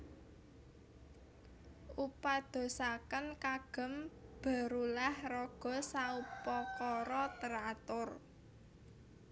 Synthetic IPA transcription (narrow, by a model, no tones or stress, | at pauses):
ʔupad̪̥o̤sakənkaɡ̥ə̤mb̥a̤ɾulahrɔɡ̥ɔ̤saupɔkɔɾɔt̪əɾat̪ʊr